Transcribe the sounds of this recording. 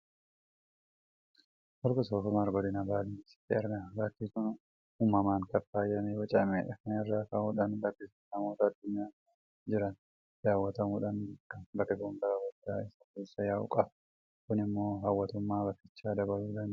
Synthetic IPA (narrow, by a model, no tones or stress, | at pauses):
wɔɾkʊsoːfʊmaɾɡɔd̪ɪnɐbaːliɪ̥t̪ːɪɛɾɡabaːt̪ːiːkʊn | uːmːɐmaːŋkɐfaːjɐmewɐt͡ʃʼɐmeːᶑɐnɛrːaːfaːʊːᶑɐnɡɐbːɪs | nɐmo̞ːt̪ɐːd̪ːʊɲːaː | d͡ʒɪɾɐn | d̪̥aːwːɐt̪ɐmuːᶑɐnɐkːɐbɐkːɪɡuːnɡ̪ɐɐwɐd̪ːaːɪsɐ̥keːsːɐjaːʊ̰kʼɐb | kʊnɪmːo̞ːɦawːɐt̪ʊmːaːbɐkːɪt͡ʃːaːd̪ɐbɐluːd̪ɐnd̪